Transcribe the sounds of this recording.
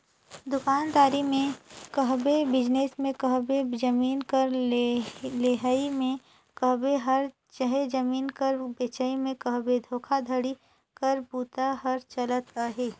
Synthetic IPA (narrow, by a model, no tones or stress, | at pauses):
d̪ʊkaːnd̪aːɾimẽkəɦbebɪd͡ʒnesmẽkɐɦbed͡ʒɐmiːnkəɾ | leːɦaimẽ | kəɦbeɦɐɾ | t͡ʃəɦed͡ʒəmiːnkəɾbeːt͡ʃəimẽkɐɦbed̪ʱoːkʰad̪ʱəɽi | kɐɾbuːt̪aɦɐɾt͡ʃələt̪aːɦeː